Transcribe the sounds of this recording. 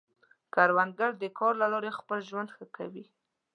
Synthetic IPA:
kaɾwand̪ɡaɽd̪əkɑɾlalɑɾexpəlʒwand̪xəka̰wi

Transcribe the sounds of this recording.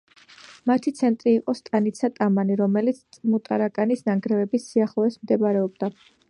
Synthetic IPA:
mat̪ʰit̪sʰɛnt̪ʼɾiːqʼɔst̪ʼanit̪sʰat̪ʼamaniɾɔmɛlit̪sʰt̪sʼmut̪ʼa̰ɾakʼanisnaŋɡɾɛvɛbisːiaχlˠɔɛsmd̪ɛbaɾɛɔbd̪a

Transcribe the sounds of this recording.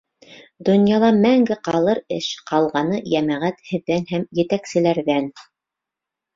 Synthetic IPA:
d̪ŏnjɑlˠɑmæŋɡɘqɑlˠɤɾɘʃqɑlˠʁɑnɤjæmæʁæt̪hɘ̆ðːænhæmjɘ̆t̪æksɘ̆læɾðæn

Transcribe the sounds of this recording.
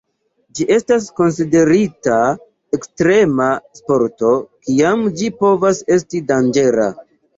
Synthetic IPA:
d͡ʒiʔe̞stas̬ko̞ns̬ide̞ɾita | ekstɾe̞maspo̞ɾto̞kiamd͡ʒipo̞vase̞stidand͡ʒe̞ɾa̰

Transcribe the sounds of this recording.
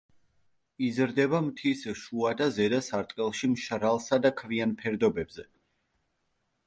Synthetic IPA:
izɾd̪ɛbamt̪ʰisʃuad̪azɛd̪asaɾt̪ʼqʼɛlˠʃimʃɾalˠsad̪akʰvianpʰɛɾd̪ɔbɛbzɛ

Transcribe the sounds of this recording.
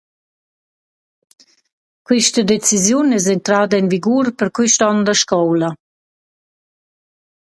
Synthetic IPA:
kwiʃtəd̪et͡sizjunɛz̬ɛnt̪ɾaːd̪ainviɡuɾpəɾkwiʃtɔnd̪əʃkɔwla

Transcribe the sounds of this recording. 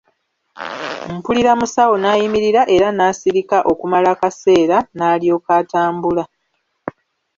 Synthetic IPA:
m̩puliɾamusawo̞naːjimiɾiɾaʔe̞ɾanaːsiɾikaʔo̞kumalakase̞ːɾanaːlio̞ːkaːtaːmbula

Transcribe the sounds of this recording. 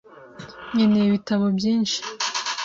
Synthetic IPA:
ɲeneiβitaβobjiːnʃi̥

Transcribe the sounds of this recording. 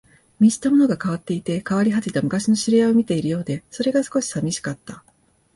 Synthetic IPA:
mʲiʑi̥t̪amo̞no̞ɡakaβat̪ːe̞it̪e̞kaβaɾʲiɦat͡ɕit̪amɯ̟kaɕino̞ɕiɾʲijao̞mʲit̪e̞iɾɯ̟jo̞ːd̪e̞so̞ɾe̞ɡasɨ̥ko̞ɕi̥samʲiɕi̥kat̪ːa

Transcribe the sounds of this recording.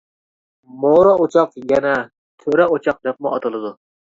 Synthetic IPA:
moɾɑot͡ʃʰɑqjɛnɛ | t̪ʰøɾɛot͡ʃʰɑq̚jɑt̪̚mʊɑt̪ɨlˠɨd̪u

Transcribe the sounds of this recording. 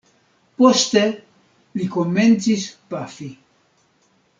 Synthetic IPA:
post̪e̞ | likoment͡sispafi

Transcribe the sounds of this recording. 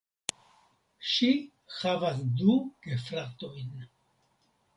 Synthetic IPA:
ʃi | xavas̬d̪uɡ̥efɾat̪o̞jn

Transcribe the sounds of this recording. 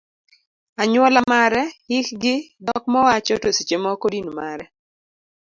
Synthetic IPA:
aɲwɔlamaɾɛhɪkɡɪdɔkmɔwat͡ʃɔtosit͡ʃemɔkodinumaɾɛ

